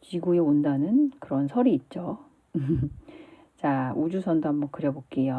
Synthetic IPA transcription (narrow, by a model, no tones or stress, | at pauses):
t͡ɕiɡueondanɯnkɯɾʌnsʰʌɾiːt̚t͡ɕ͈o | t͡ɕaud͡ʑusʰʌndoambʌkɯɾjʌbok͈ejo